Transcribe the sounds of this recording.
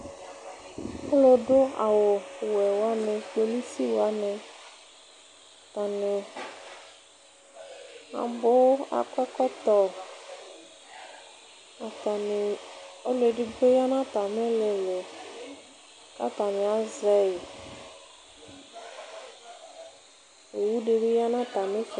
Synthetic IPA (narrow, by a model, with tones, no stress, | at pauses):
o˦lo˨ɖo˦a̰˨wo˨wɛ˨wo˦a˦nɛ̃˨k͡pe˦li˦si˦wo˨a˦nẽ˨ | t̪a˨ne˨ | a̰˨bo˦a̰˨kɛ˦kɔ˦t̪ɔ˦ | a˨t̪a˨ne˨o˦le˨ɖe˨ɡ͡be˦ja˦nã˦t̪a˨mẽ˦le˨le˨ | ka̰˦t̪a˨nẽ˨a˦zɛ˦i˨ | e˨wu˦ɖe˨be˦ja˦nã˦t̪a˨mẽ˦f